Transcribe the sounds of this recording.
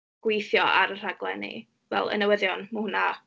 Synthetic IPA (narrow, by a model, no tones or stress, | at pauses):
ɡ̥wejθjɔaɾər̥aɡlˠɛ̰nḭ | vɛ̰lˠə̰nɛwəðjɔnmahʊna